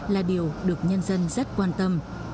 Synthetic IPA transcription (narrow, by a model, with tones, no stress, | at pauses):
laː˨˩ɗi˨˩əwɗɨ˨˩ək̚ɲə˧nzə˧nzə˦˥t̚kwaː˧nt̪ə˧m